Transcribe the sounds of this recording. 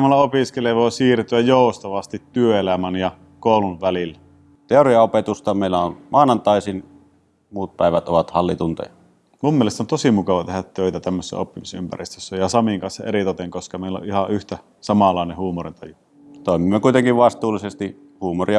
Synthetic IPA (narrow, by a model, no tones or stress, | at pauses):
mɑlːɑopiskeleʋoˑesiːrt̪yæjjoˑust̪ɑʋɑst̪it̪tyøelæmænjɑ | koˑuluʋʋælilːæ | t̪eoriɑopet̪ust̪ɑmeˑilæonmɑːnɑnt̪ˑɑˑisin | muːt̪̚pæ̰ˑeʋæt̪ʔoʋɑt̪hɑlːit̪unt̪ɑ̰jɑ̰ | mumːielest̪ont̪osimukɑʋɑt̪ehæt̪t̪øˑit̪æt̪æmːøsːæ̰opːimisympæ̰rist̪øsːæjɑsɑmiŋkɑnsːɑerit̪ot̪eŋkoskɑmeˑilːo̰ʔʔihɑʔyht̪æ | sɑmɑlˑɑˑenehuːmorint̪ɑju | t̪oˑimimːekuˑit̪eŋkiʋʋɑst̪uːlːˑisest̪i | huːmoriɑ